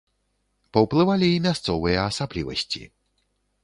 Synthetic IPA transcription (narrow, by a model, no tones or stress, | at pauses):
pɔwplˠɨvalʲiimʲjast̪sɔvɨjɛasablʲḭvɔ̰ɕʲt͡ɕḭ